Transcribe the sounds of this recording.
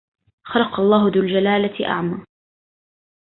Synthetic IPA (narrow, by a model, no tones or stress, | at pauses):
xɑɾɑqɑlˤːɑːɦʊðʊːld͡ʒalaːlaʔa̰ʕmaː